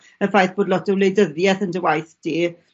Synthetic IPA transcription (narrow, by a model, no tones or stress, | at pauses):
əfajθb̥oːdlɔtəwlejdəðjɛθəndəwajθd̥iː